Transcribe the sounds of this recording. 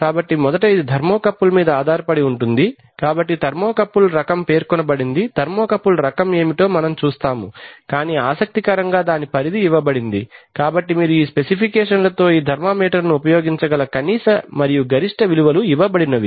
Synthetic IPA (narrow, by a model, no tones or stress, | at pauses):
kaːbɐʈːimɔd̪ɐʈɐjid̪id̪ʱɐɾmoːkɐpːulɐmiːd̪ɐaːd̪ʱaːɾɐpɐɽiuɳʈund̪i | kaːbɐʈːit̪ɐɾmoːkɐpːulɾɐkɐmpe̞ːɾkɔnɐbɐɽind̪id̪̥ʱɐɾmoːkɐpːuluɾɐkɐme̞ːmiʈo̞ːmɐnɐmt͡ʃuːst̪aːmukaːniːaːsɐk̚t̪ikɐɾɐŋɡaːd̪aːnipɐɾid̪iːʋɐbɐɽind̪ikaːbɐʈːimiːɾuiːspe̞sipʰikɛːʂɐnlɐt̪o̞ːiːd̪ʱɐɾmaːmiːʈɐɾnuupɐjoːɡiɲt͡ʃɐɡɐlɐkɐniːsɐmɐɾijuɡɐɾiʂʈɐʋiluʋɐluiʋɐbɐɽinɐʋi